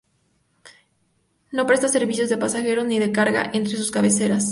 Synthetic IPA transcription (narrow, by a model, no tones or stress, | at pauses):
no̞pɾe̞st̪ase̞ɾβisjo̞zðe̞pasaxe̞ɾo̞zniðe̞kaɾɣa̰ʔent̪ɾes̬uskaβe̞se̞ɾas